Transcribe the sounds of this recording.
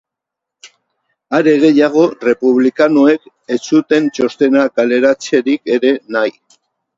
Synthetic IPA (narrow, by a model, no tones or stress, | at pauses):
aɾe̞ɣe̞jaɣ̞o̞re̞puβlikanoe̞k | e̞t͡sut̪e̞nt͡ʃo̞st̪e̞nakale̞ɾat͡se̞ɾike̞ɾe̞naj